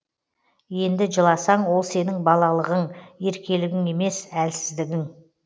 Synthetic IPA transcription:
je̞nd̪ɪʒəlˠɑsɑɴwo̞lˠse̞nɪŋbɑlˠɑlˠəʁəɴe̞ɾkʲe̞lɪɡʲɪŋe̞me̞sælsɪ̥zd̪ɪɡʲɪŋ

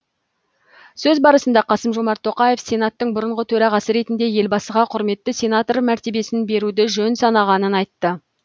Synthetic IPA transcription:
sɵzbɑɾəsənd̪ɑqʰɑsəmʒo̞mɑɾt̪ʰːo̞qɑje̞fsʲe̞nat̪ːəɴbʊɾəɴʁət̪ʰɵɾɑʁɑsəɾe̞t̪ɪnd̪eje̞lbɑsəʁɑqʰʊɾme̞t̪ːɪsʲe̞nat̪o̞rmæɾt̪e̞be̞sɪnbe̞ɾud̪ɪʒɵnsɑnɑʁɑnənɑjt̪ːə

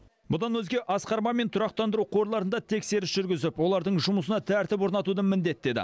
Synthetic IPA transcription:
bʊd̪ɑnwɵzɡʲe̞ʔɑsqɑɾmɑme̞nt̪ʰʊɾɑq̚t̪ɑnd̪əɾuqʰo̞ɾlˠɑɾənd̪ɑt̪ʰe̞kse̞ɾɪsʒ̥ʏɾɡʲɪzɪpwo̞lˠɑɾd̪əɴʒʊməsənɑt̪ʰæɾt̪ɪpwo̞ɾnɑt̪ud̪əmɪnd̪e̞t̪̚ːe̞d̪ɪ̰

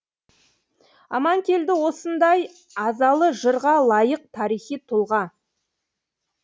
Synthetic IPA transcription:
ɑ̰mɑŋkʲe̞ld̪ɪwo̞sənd̪ɑj | ɑzɑlˠəʒəɾʁɑlˠɑjəq̚t̪ʰɑɾijχijt̪ʰʊlˠʁɑ

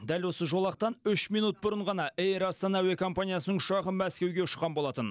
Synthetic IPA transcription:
d̪ælwo̞səʒo̞lˠɑq̚t̪ɑnʏʃmijnut̪̚bʊɾəɴʁɑnɑʔejɾɑst̪ɑnɑæwe̞kʰo̞mpanijasənəɴʊ̥ʃɑʁəmæskʲe̞wɡʲe̞ʊʃəqːɑnbo̞lˠɑt̪ən

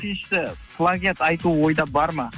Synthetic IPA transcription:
ijʃt̪ɪpʰlˠaɡʲet̪ɑjt̪uwo̞jd̪ɑbɑɾmɑ

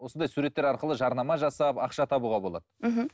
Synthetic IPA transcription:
wosənd̪ɑjsuɾe̞t̪ːe̞ɾɑɾqəlˠəʒɑɾnɑmɑʒɑsɑpɑqʃɑt̪ʰɑbuʁɑbo̞lˠɑ̰d̪̥əɦm̩

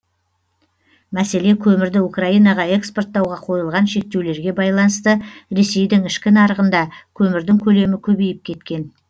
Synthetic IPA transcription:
mæse̞le̞kʲʰɵmɪɾd̪ɪukraijnɑʁɑe̞kspo̞rt̪ːɑwʁɑqʰo̞jəlˠʁɑnʃe̞k̚t̪e̞wle̞ɾɡʲe̞bɑjlˠɑnəst̪əɾe̞se̞jd̪ɪŋɪʃkʲɪnɑɾəʁənd̪ɑkʲʰɵmɪɾd̪ɪŋkʲʰɵle̞mɪkʲʰɵbejɪp̚kʲʰe̞t̪kʲe̞n

